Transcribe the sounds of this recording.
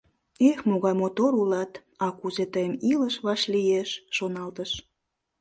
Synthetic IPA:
exmoɣɑjmot̪oɾulɑt̪ | ɑkuzet̪əjəmiləʃβɑʃlijeʃːonɑlt̪əʃ

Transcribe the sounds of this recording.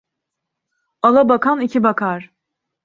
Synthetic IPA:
alˠabakʰanicʰibakʰaɾ̥

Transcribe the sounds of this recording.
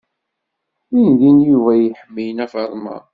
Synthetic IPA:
ind̪injuvæjəħəmːijənæfəɾˤmɑ̰

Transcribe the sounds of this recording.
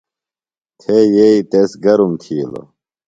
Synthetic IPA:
t̪ʰeːjeit̪esɡɐɾumt̪ʰiːlo̰

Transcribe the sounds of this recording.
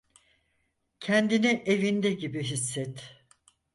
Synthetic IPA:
cʰɛnd̪iniʔe̞vind̪ɛɟibiɦisːɛt̪

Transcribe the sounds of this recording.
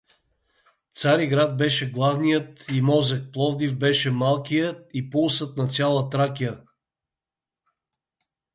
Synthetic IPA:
t̪saɾiɡɾad̪̚bɛʃɛɡlˠavnijət̪imɔzɛk̚plˠɔvd̪ivbɛʃɛmalˠkijət̪ipulˠsət̪nɐt̪sʲjalˠət̪ɾakijə

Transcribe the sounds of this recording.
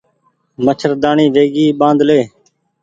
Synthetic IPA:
mət͡ʃʰəɾd̪aːɳiːʋeːɡiːɓãːnd̪leː

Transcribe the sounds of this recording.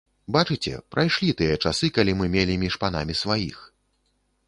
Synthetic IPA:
bat͡ʂɨt͡sʲɛ̰pɾʔajʂlʲit̪ɨjɐt͡ʂasɨkalʲimɨmʲelʲimʲiʂpana̰mʲisvajix

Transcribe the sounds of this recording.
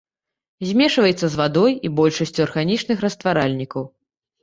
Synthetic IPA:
zʲmʲɛʂvɐjɛt̪sːɐzvad̪ɔjibɔlʲʂɐsʲt͡sʲuarɣanʲit͡ʂnɨxrɐst̪vaɾalʲnʲikɐw

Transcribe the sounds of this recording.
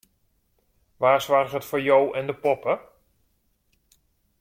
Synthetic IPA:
ʋaːsʋarχɦətfoːɹjowʔɛndəpɔpə

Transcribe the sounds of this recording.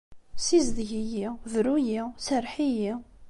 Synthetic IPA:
sizd̪ʝijivɾujisəɾħiji

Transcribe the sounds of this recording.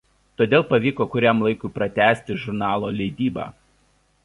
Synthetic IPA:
t̪oːd̪ʲeːlˠpɐʋʲiːkoːkʊɾʲɛmlˠɐɪkʊːpɾɐt̪ʲæːsʲt̪ʲɪʒʊɾnɑːlˠoːlʲɛɪd̪ʲiːbɑ̰ː

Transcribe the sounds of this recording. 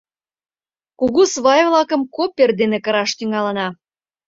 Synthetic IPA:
kuɣusβɑjvlɑkə̆mkopʲːerd̪enekəɾɑʃt̪yŋɑlə̆nɑ

